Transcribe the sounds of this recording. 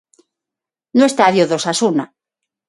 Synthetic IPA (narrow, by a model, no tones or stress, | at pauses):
nõest̪aðjoðosasuna